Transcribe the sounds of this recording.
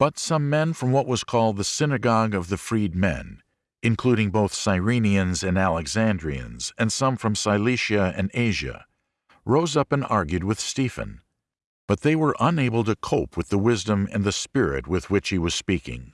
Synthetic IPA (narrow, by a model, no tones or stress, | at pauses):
b̥ʌtsʌ̃mːɛ̃nfɹʌ̃mwʌʔ̚wʌz̥kʰɔlˠd̪̚ðɨsɪnɨɡɑɡʌvðɨfɹid̚mɛ̰̃n | ɨ̃nkʰl̥uɾɪ̃ŋboʊθsaɪɹĩniɨ̃nzɨ̃nælˠəɡzæ̃ndɹiɨ̰̃nz̥ɨ̃nsʌ̃ɱfɹʌ̃msaɪliʃɨɨ̰̃neɪʒɨ̰ | ɹoʊzʌpɨ̃nɑ̰ɹɡjʉd̚wɨð̥stifɨ̰̃n | b̥ʌt̪̚ðeɪwə˞ʔə̃neɪbl̩ˠtɨkʰoʊpʰwɨðəwɪzdə̃mɨ̰̃nðɨspɪɹɪ̰t̚wɨðwɨt͡ʃhiwʌz̥spikɪ̰̃ŋ